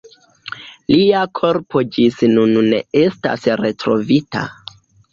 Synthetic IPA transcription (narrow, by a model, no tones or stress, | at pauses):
liakʰo̞ɾpo̞d͡ʒisnunne̞̰e̞sta̰sɾe̞tɾo̞vita̰